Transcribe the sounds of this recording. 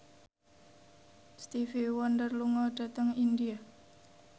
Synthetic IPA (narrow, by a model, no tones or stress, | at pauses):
st̪ifiwɔnd̪ərluŋɔɖ̥a̤t̪əŋindia